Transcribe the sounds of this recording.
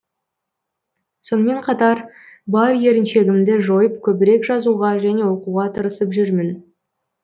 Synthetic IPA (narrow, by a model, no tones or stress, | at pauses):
so̞nəme̞ɴqʰɑt̪ɑɾ | bɑɾje̞ɾɪnʃe̞ɡʲɪmd̪ɪʒo̞jəp̚kʲʰɵbɪɾe̞kʒɑzuʁɑʒæne̞wo̞quʁɑt̪ʰəɾəsəpʒʏɾmɪn